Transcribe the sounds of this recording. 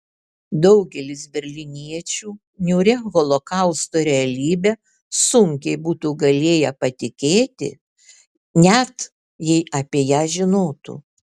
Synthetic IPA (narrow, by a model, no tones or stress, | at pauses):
d̪ɒʊɡʲɛlʲɪsbʲɛɾʲlʲɪnʲiɛt͡ʃʲuː | nʲuːɾʲɛɣɔlˠokɐˑʊst̪oːɾʲɛɐlʲiːbʲɛ | sʊŋʲkʲɛɪbuːt̪uːɡɐlʲeːjɛpɐt̪ʲɪkʲeːt̪ʲɪ̰ | nʲɛt̪ | jɛɪʔɐpʲiːjæːʒʲɪnoːt̪ṵː